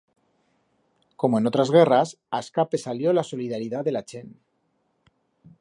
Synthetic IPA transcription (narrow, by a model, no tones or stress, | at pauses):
komenot̪ɾazɣɛras | askapesaljolasoliðaɾiðad̪elat͡ʃen